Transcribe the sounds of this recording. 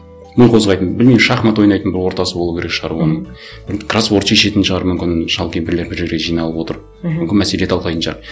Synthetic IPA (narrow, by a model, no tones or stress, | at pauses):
mɪnqʰo̞zʁɑjt̪ənbɪlmeʃɑχmɑt̪wo̞jnɑjt̪ənbɪɾwo̞ɾt̪ɑsəbolˠukʲeɾekʃʁɑɾuwɑnəɴ | b̥ɪɾkraswoɾt͡ʃiʃet̪ɪnʃəʁɑɾmʏmkʲɪnʃɑlˠkʲembɪɾle̞ɾbɪɾʒe̞ɾɡʲeʒijnɑlˠəpwo̞t̪əɾ | mmʏmkʲɪnmæselet̪ʰɑlˠqɑjt̪ənʃʁɑɾ